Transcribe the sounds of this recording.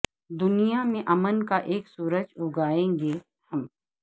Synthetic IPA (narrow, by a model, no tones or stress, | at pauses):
d̪ʊnijamẽʔɐmənkaʔeːksuːɾəd͡ʒɦoɡaːẽːŋɡe | hɐm